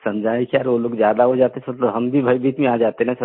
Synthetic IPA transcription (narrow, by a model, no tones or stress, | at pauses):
sɐmd͡ʒaːikjaːɾʋoloːɡzjaːd̪aɦod͡ʒaːt̪eɦɛsəoɦɐmbʱibʱəjbʱiːt̪mẽaːd͡ʒaːt̪eɦɛ̃sɐ